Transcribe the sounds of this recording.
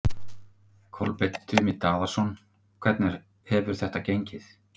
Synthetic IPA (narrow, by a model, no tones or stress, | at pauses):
kʰɔlpejt̪ʰːʏmɪt̪aːðaɾ̥sɔn | kʰvɛt̪nɛɾ̥ | hɛvʏɾ̥θɛht̪acejɲcɪθ